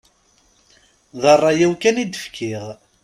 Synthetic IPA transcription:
ðˤɑrˤːɑjæwkænid̪əfkʰiʁ

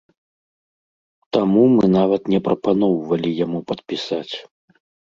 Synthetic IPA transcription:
t̪amumɨn̪avɐt̪nʲɛpɾʔɐpan̪ɔwvɐlʲijamupɐt̪̚pʲisat͡sʲ

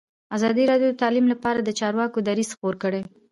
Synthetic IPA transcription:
azɑd̪iɾɑɖjod̪ət̪ɑlimlapɑɾad̪ət͡ʃɑɾwɑkod̪aɾiz̥xpoɾkəɽe

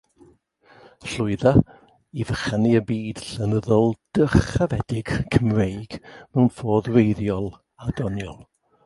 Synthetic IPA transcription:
ɬʊɨða | ivəχaniəbiːd̥ɬənəðɔlˠd̥əχavɛdɪɡ̥kʰəmrejɡ̥mɛwnfoːðwejðjɔlˠ | adɔnjɔlˠ

